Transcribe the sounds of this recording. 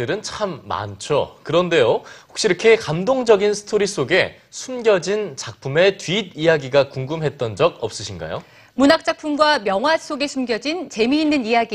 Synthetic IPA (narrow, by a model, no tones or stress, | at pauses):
ɯɾɯnt͡ɕʰamːa̰nt͡ɕʰokɯɾʌnde̞johok̚ɕ͈iɾʌkʰe̞kamdoŋd͡ʑʌɡinsʰɯ̥tʰoɾis͈oɡe̞ | sʰumɡjʌd͡ʑint͡ɕak̚pʰume̞tɥiːt̚ijaɡiɡakuŋɡɯmɦe̞t̚t͈ʌnd͡ʑʌɡ̚ʌp̚s͈ɯɕʰinɡa̰jo | munak̚t͡ɕ͈ak̚pʰumɡwamjʌŋwas͈oɡe̞sʰumɡjʌd͡ʑint͡ɕe̞miːnːɯnijaɡi